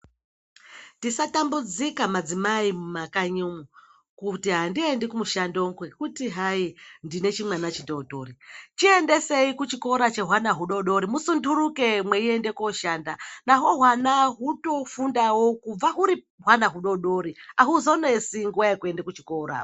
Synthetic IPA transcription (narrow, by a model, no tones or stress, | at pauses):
ndisatambud͡zikamad͡zimaimumakaɲumu | kutiɦandiendekumuʃandoŋɡwekutiɦaindine̞t͡ʃimwanat͡ʃitotoɾit͡ʃiende̞se̞ikut͡ʃiko̞ɾat͡ʃe̞ɦwanaɦuɗo̞ɗo̞ɾimusundʱuɾuke̞mwe̞ie̞nde̞koʃaːndanaɦo̞ɦwanaɦuto̞fundawokub͡vaɦuɾi | ɦwanaɦuɗo̞ɗo̞ɾiaɦuzo̞ne̞siŋɡuwaekue̞ndekut͡ʃi̥ko̞ːɾa̰